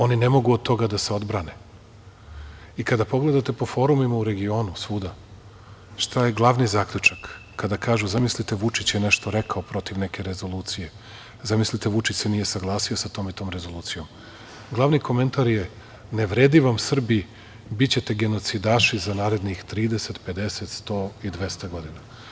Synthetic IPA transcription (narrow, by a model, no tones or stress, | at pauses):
o̞ninemo̞ɡuod̪̚t̪ʰːo̞ɡad̪aseo̞d̪bɾane | ikad̪apo̞ɡle̞d̪at̪e̞po̞fo̞ɾumimauɾe̞ɡio̞ːnusʋuːd̪a | ʃt̪aje̞ɡlˠaʋnizaːkʎʲut͡ʃakː | ad̪akaːʒuzamislit̪e̞ʋut͡ʃit͡ɕjeneʃt̪oɾekaopɾo̞t̪iʋne̞ke̞ɾezo̞lˠuːt̪sije̞ | zamislit̪eʋut͡ʃit͡ɕse̞nije̞saɡlˠaːsio̞sat̪o̞ːmit̪o̞ːmɾezo̞lˠuːt̪sijo̞m | ɡlˠaʋniko̞me̞nt̪aɾje | neʋɾed̪iʋamsr̩bi | bit͡ɕe̞t̪e̞ɡe̞no̞t̪sid̪aːʃizanaːɾe̞d̪nixt̪ɾiːd̪ese̞t̪pe̞d̪e̞se̞t̪st̪oːid̪ʋe̞st̪aɡo̞d̪ina